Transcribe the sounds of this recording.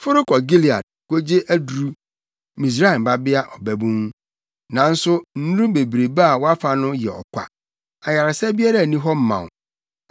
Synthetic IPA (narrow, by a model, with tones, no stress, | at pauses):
fʊ˦ɾʊ˦kʰɔ˨ɡi˦li˨a̰˨d̚ko˦d͡ʑe˦ʔæ˦du˨ɾu˦ | mĩ˨s̬a˦˨m˨ba˦bɪ˦a˦ʔɔ˨bæ˦bũ˦ŋ | nã˨n̩˦sʊ˦n̩˦ũ˦be˨bɾe˨ba˦a˨wɔ˦a˦fa˨nʊ̃˦jɛ̰˨ɔ̰˨kʷʰa̰˨ | a˨ja˨ɾa˨sɛ˦bi˦a˦ɾa˦˨nĩ˦ɦɔ˦m̩˦mã̰˨